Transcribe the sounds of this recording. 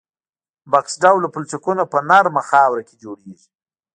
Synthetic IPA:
baksɖawlapʊlt͡sikunopənaɾmaxɑwɾaked͡ʒoɽeʒi

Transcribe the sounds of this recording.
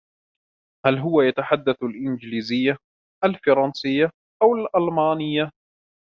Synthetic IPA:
halɦʊwajat̪aħad̪ːaθalʔɪnd͡ʒliːzɪjːa | ʔalfɑɾˤɑnsɪjːa | ʔawalʔɑlmaːnɪjːa

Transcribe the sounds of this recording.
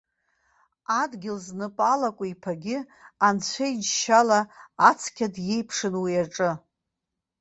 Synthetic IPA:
adɡʲɪlznɨpʼalakʷʼʊipʰaɡʲɪ | ant͡ɕʷʰaid͡ʒʃalaːt͡sʰkʲʰadje̞jpʰʂɨnwiaʈ͡ʂʼɨ

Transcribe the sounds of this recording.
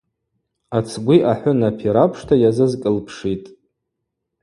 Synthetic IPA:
at͡sʰɡʷiʔaħʷʊnapʰiɾapʰʂtʰajazɨzkʼɨlpʰʂitʼ

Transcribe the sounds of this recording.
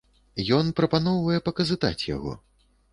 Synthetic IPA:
jɔnpɾɐpanɔwvɐjɛpɐkɐzɨt̪a̰t͡sʲja̰ɣɔ̰

